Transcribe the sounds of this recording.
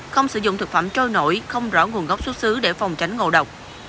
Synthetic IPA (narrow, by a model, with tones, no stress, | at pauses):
xə˧wŋ͡msɨ̰˧˦zʊ̰˧˨ŋ͡mt̪ʰɨ˨˩k̚fa̰ː˧˨mt͡ɕo˧jno̰˧˥jxə˧wŋ͡mzɔ̰ː˧˥ŋu˨˩ənɣa˦˥k͡p̚su˦˥t̚sɨ˨˦ɗe˧˩fa˨˩wŋ͡mt͡ɕa˨˦jŋ̟ŋo̰˧˨ɗə˨˩wk͡p̚